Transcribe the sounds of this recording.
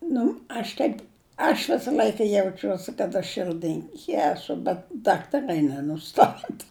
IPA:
ˈnʊ ɐʃ ˈtʲɛɪp ɐʃ ˈʋʲɪsɐ ˈlʲɐɪkɐ jɛʊˈt͡ʃʲuɔsʲɪ kɐt ɐʃ ˈʃɨrdɨŋʲkʲɪ ˈæːsʊ bʲɛt ˈdɑːktɐˈrɐɪ nʲɛnʊˈstɑːtɐ

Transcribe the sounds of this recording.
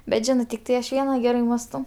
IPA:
bʲɛt ˈʒʲɪnɜ tʲɪkˈtɐɪ ɐʃ ˈʋʲiɛnɐ ˈɡʲæːrɐɪ ˈmɑːstɐʊ

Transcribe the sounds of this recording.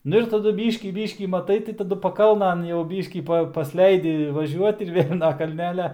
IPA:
ˈnʊ ɪr tɐˈdʊ ˈbʲiːʃʲkʲiː ˈbʲiːʃʲkʲiː mɐˈtɐɪ tɐɪ tɐˈdʊ pɐˈkɐlˠnɐn jɛʊ ˈbʲiːʃʲkʲiː ˈpɐ pɐsʲˈlʲɛɪdʲɪ ʋɐˈʒʲuɔt ɪr ˈʋʲeːlʲ nɐ kɐlʲˈnʲæːlʲɛ

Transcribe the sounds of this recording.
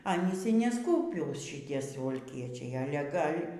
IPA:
ˈɑːnʲiːs iː nʲɛˈskuːpʲuːs ʃʲɪˈtʲiɛ sʊʋɐlʲˈkʲiɛt͡ʃʲɛɪ ˈɑːlʲɛ ˈɡɐlʲ

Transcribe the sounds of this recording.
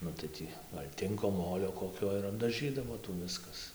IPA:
ˈnʊ tɐɪ ˈtʲiː ˈɡɐlʲ ˈtʲɪŋkoː ˈmoːlʲoː koːˈkʲoː ɪr ɐbdɐˈʒʲiːdɐʋoː ˈtuː ˈʋʲɪskɐs

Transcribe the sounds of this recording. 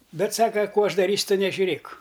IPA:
ˈbʲɛt ˈsɑːkɐ ˈkuː ˈɐʃ dɐˈrʲiːsʲʊ ˈtʊ nʲɛʒʲʊˈrʲeːk

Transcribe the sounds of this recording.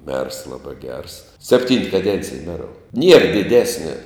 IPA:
mʲɛrs ˈlˠɑːbɑː ɡʲɛrs sʲɛpʲˈtʲiːnt kɐˈdʲɛnʲt͡sʲɪj ˈmʲæːroːʊ nʲiɛr dʲɪˈdʲæːsʲnʲɛ

